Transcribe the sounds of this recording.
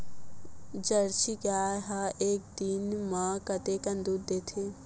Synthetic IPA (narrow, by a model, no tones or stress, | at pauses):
d͡ʒəɾʃiɡaːɦaʔeːk̚d̪inmãkət̪ekɐ̃nd̪uːd̪d̪eːt̪ʰeː